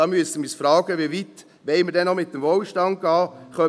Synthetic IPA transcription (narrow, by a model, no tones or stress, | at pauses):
ɑːmyəsəmisfɾɑːɡəʋivit | ʋɛlməɾdɛnːɔmɪt̚dəmvoːlʃtɑnt̚ɡ̥ɑːχœ